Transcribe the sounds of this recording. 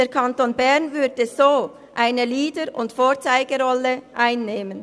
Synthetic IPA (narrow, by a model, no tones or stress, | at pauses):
deːɾkʰantoːnbɛʁnvʏɐd̥əzoː | ʔaɪnəliːdəɾʊntfoːɐt͡saɪɡəʁɔləʔaɪnːeːmən